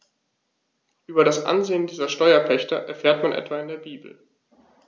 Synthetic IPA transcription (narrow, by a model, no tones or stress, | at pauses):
ʔyːbɐɾasʔa̰nzeːəndiːzɐʃtɔʏɐpʰɛçtɐʔɛ̰ɐfɛːɐtmanʔɛ̰tv̥aɪndeːɐbiːbl̩